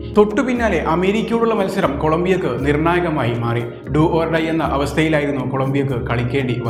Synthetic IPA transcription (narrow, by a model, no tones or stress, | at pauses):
t̪o̞ʈːɨpinːaːle̞ʔɐme̞ːɾikʲːɐjuɭuɭːɐmɐlsɐɾɐmko̞ɭɐmbijokːɨnirɳaːjɐɣɐmaːjimaːri | ɖuːʔorɖɐjenːɐʔɐʋɐst̪ʰɐjilaːjiɾunːuko̞ɭɐmbijokːɨkɐɭikʲːe̞ːɳɖiʋɐ